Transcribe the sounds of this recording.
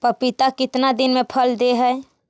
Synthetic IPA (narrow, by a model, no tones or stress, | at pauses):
pəɾpit̪akɪt̪nad̪inmepʰəld̪eɦəe